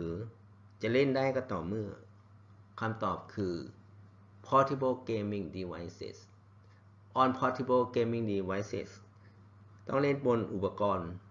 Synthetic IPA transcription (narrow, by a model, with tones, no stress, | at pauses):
ɯː˨˦ | t͡ɕa˨˩le˥˨nda˥˨jka˧˩t̪ɔː˨˩mɯ˧˥˩ɐ | kʰa˧˥˨mt̪ɔː˨˩p̚kʰɯː˧ | pʰɔː˧˥t̪ʰi˧˩bo˧˩keː˧mi˧˨ŋdi˧wa˧˥jsḛ˧˩s | ʔɔː˧˩npʰɔː˧˥t̪ʰi˧˩boː˧˨keː˧mi˧˩ŋdiː˧wa˧˥jsḛ˧˩s | t̪ɔ̰˥˩ŋle˥˩˨nbo˧˨nʔu˨˩pa˧kɔː˧n